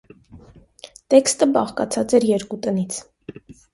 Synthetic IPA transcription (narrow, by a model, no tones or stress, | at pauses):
t̪ɛkst̪əbɑχkɑ̰t͡sʰɑt͡sɛɾjɛɾkut̪ənit͡sʰ